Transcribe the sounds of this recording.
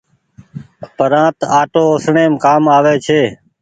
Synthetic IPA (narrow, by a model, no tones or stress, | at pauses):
pəɾãːt̪aːʈoːosɳeːmkaːmaːʋeːt͡ʃʰeː